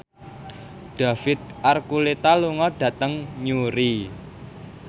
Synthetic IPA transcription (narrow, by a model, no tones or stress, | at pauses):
ɖ̪̥ä̤fɪt̪̚ʔarkulet̪aluŋɔɖ̥ä̤t̪əŋɲuɾi